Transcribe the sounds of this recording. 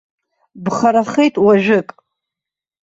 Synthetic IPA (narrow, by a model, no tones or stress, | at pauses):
bχaɾaχejtʼwaʒᶣɪkʼ